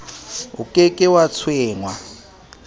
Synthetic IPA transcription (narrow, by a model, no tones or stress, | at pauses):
ukʼekʼɪwat͡sʰwɪːŋwa